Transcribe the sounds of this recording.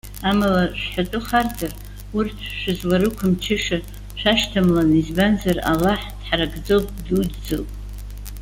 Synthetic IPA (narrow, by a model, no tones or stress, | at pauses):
amalaʂħatʼʊχard͡zar | urtʰʃʷɪzlaɾɨkʷʰamt͡ʃʰɪʂa | ʃʷaʃtʰamlanizbanzara̰laħd̥ħaraɡʼd͡zowpʼdudd͡zɨlpʼ